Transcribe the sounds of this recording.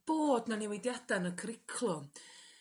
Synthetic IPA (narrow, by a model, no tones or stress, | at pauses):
b̥oːdnaniwejdjad̥anəkʰrɪkʰlˠʊn